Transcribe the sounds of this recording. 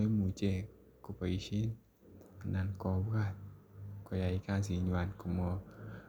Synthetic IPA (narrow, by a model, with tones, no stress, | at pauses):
mu˨t͡ʃe˧˨ | ko˨˧pa˨i˧˦ʃi˦n | a˨na˧˨nkɔ˧ba˧˨t̪̚kɔ˧˨ja˨i˦ka˧˨s̬i˨˦ɲwa˧˨nku˨˧˨mɔ˧